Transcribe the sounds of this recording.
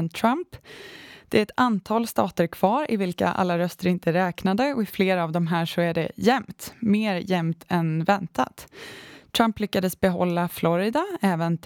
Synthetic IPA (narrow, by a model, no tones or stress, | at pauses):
nt̪ʰɾamp | d̪̥ɛæɾɛt̪ant̪ʰɑːlst̪ɑːt̪əɾkʰv̥ɑːɾʔɪ̰vɪlka̰ʔa̰lːaɾœst̪əɾɪnt̪ʰəɾɛːknad̪əɔɪfleːɾavd̪ɔmɦæːʂɔæɖɛ̰jɛmt̪meːɾjɛmt̪ʰɛnvɛnt̪a̰t̪t̪ʰɾamplʏkːad̪əsbɛɦɔ̰lːaflɔɾɪd̪aɛːvənt̪